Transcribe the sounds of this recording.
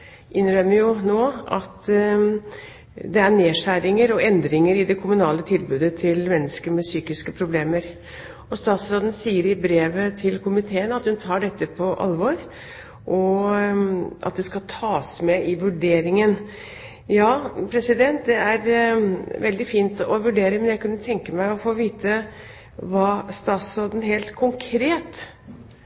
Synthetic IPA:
ʔɪnɾœməɾjʊnoːʔɑt̪ | d̪ɛæɳeːʂæɾɪŋəɾɔɛnd̪ɾɪŋəɾɪd̪ɛkʰʊmʉnɑːlət̪ʰɪlbʉːd̪ət̪ʰɪlmɛnːəskəɾmɛsyːkɪskəpʰɾʊbleːməɾ | ɔst̪ɑːt̪sɾɑd̪n̩siːəɾɪbɾeːʋət̪ʰɪlkʰʊmɪt̪ʰeːənɑt̪hʉnt̪ʰɑːɖɛt̪ːəpʰɔʔɑ̰lʋɔɾ | ʔɔ | ʔɑ̰t̪̚d̪ɛskɑt̪ʰɑːsmɛʔɪʋʉɖeːɾɪŋən | jɑːpʰɾɛsɪd̪ɛnt̪̚d̪ɛæɾ | ʋɛld̪ɪfiːnt̪ɔʋʉɖeːɾəmɛnjæɪkʉnːət̪ʰɛŋkəmæɪɔfoːʋiːt̪ə | ʋɑːst̪ɑːt̪sɾoːd̪ən̩ɦeːlt̪kʰʊŋkʰɾeːt̪

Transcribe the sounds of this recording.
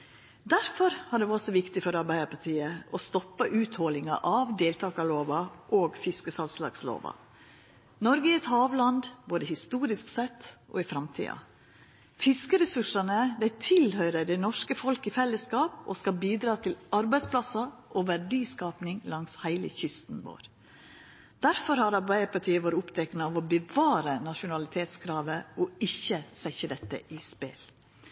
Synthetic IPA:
d̪æɾfɔɾhɑɖɛɔsɔʋɪkt̪ɪfɔɾɑɾbæɪəpʰɑt̪ʰiːəɔst̪ɔpːəʔʉːt̪hɔlɪŋɑ̰ʔɑʋd̪eːlt̪ʰɑːkɑloːʋɑʔoːɡfɪskəsɑlslɑ̰ːɡslo̰ːʋɑ̰ | nɔɾɡəɪɛt̪hɑːʋlɑnd̪boːd̪əhɪst̪uːɾɪsksɛt̪ːʔo̰ːɪfɾɑmt̪ʰḭːɑ̰ | fɪskəɾɛsʉʂɑnəd̪æɪt̪ʰɪlhœʏɾəɖɛnɔʂkəfɔlkɪfɛlːəskɑːpo̰skɑbiːd̪ɾɑːt̪ʰɪlɑɾbæɪspʰlɑsɑʔoʋæɖiːskɑːpnɪŋlɑŋshæɪlə̰çʏst̪nʋo̰ːɾ | d̪̥æɾfɔɾhɑɾɑɾbæɪəpɑʈʰiːəʋoːɾʊpt̪ʰɛknəɑʋɔbəʋɑːɾənɑʂʊnɑlɪt̪ʰeːt̪skʰɾɑːʋəɔɪçːəsɛçəd̪ɛt̪ːə̰ʔɪspḛːl

